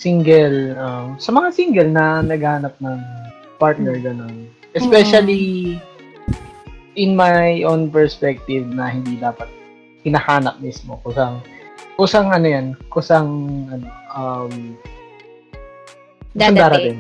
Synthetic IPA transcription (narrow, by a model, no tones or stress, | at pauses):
siŋɡɛlʔɐmsɐmɐŋasiŋɡɛlnɐnɐɡhaːnɐp̚nɐŋ | paɹt̪̚nɛɹɡɐno̞n | ʔɛspɛʃɐli | ʔɪnmajʔonpɛɹspɛk̚t̪ɪvnɐhɪnd̪iːd̪aːpɐt̪̚ | kɪnɐhaːnɐk̚mismo̞kʊsaŋʔʊsɐŋʔɐnojankʊsɐŋʔɐno̞ʔɐm | kʊsaŋd̪aːɾɐt̪ɪn